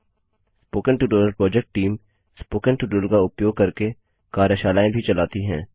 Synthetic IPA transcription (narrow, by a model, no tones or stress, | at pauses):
spoːkənʈuːɖəllpɾɔːd͡ʒɛk̚ʈʈːiːm | spoːkənʈuːɖəlkaʊpjoːɡ̚kɐɾke | kaːɾəʃaːlaːẽbʱit͡ʃɐlaːt̪iɦɛ̃ː